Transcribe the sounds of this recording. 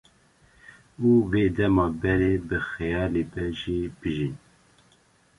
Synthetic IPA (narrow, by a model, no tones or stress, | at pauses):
uːveːd̪ɛmɑːbɛɾeːbɨxɛjɑːleːbɛʒiːb̥ɨʒin